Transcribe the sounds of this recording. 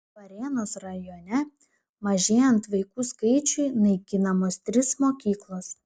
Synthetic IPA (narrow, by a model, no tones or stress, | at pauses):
ʋɐɾʲeːnoːsɾɐjoːnʲɛ | mɐʒʲeːjɛnt̪ʋɐɪkuːskɐɪt͡ʃʲʊɪnɐɪkʲɪnɐmoːst̪ʲɾʲɪsmoːkʲiːklˠoːs